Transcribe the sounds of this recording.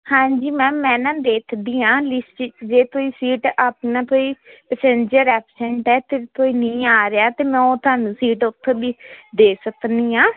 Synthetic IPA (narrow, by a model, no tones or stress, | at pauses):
hãːd͡ʒiːmɛ̃ːmɛ̃ːnãːd̪eːk̪ʰd̪iːãːlɪsʈd͡ʒeːt̪oːiːsiːʈaːpnãːt̪oːiːpəsẽːnd͡ʒəɾɛːpsɛ̃ɳʈɛːt̪eːɾt̪oːiːnĩːaːɾeaːt̪eːmɛ̃ːoːt̪ʊaːnũːsiːʈʊt̪ʰːbiːd̪eːsəkniːãː